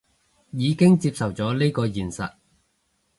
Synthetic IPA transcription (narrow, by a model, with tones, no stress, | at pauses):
jiː˨˧kɪ˥ŋt͡siː˧p̚sɐ˨˩wt͡sɔː˨˥liː˥kɔː˧jiː˨˩nsɐ̰˨t̚